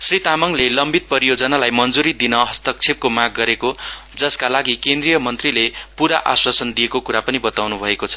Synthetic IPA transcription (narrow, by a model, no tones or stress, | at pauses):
srit̪amʌŋlelʌmbit̪̚pʌɾijod͡zʌnalajmʌnd͡zuɾid̪inʌɦʌst̪ʌk̚t͡sʰeb̚komaɡ̚ːʌɾeko | d͡zʌskalaɡikend̪rijʌmʌnt̪rilepuɾaʔaswasʌnd̪ijekokuɾapʌnibʌt̪awnubʱʌekot͡sʰʌ̥